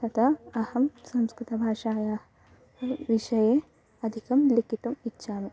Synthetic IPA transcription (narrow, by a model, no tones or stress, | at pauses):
tɐt̪ʰɐɐhɐmsɐ̃mskɾit̪ɐbʱaːʂaːjaː | ɐʋiʃɐjeː | ɐd̪ʱikɐmlikit̪ɐmitːʃʰaːme